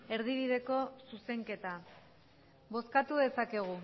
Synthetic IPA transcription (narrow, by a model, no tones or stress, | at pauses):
e̞ɾðiβ̞iðe̞ko̞suse̞ŋke̞t̪a | bo̞skat̪uðe̞sake̞ɣ̞u